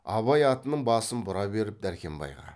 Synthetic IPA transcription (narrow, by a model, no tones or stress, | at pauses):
ɑβɑjɑt̪ənəɴbɑsənbʊɾɑbe̞ɾɪp̚d̪æɾkʲe̞mbɑ̰jʁɑ̰